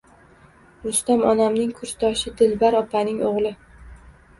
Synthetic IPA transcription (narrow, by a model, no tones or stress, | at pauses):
ɾʊst̪amɒnamnɪŋkʰʊɾst̪ɒʃɪd̪ɪlbaɾɒpʰanɪŋoʁlˠɪ